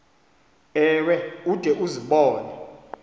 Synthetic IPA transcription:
ɛwɛud̥ʱɛʔuziɓɔːnɛ

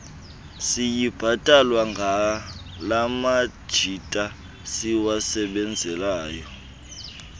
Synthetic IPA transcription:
sijib̥ʱatʼalwaŋɡʱa | lamad̥ʒ̥ʱitʼa | siwasɛɓɛnd͡zʱɛlaːjɔ

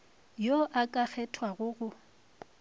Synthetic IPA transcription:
joʔakʼak͡xʰɛtʰwaɣʊɣʊ

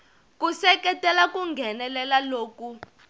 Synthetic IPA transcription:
kusɛkɛtʼɛlakuŋɡʱɛnɛlɛlaloːku

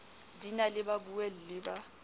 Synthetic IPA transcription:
dinalɪbabuwɛl̩lɪːba

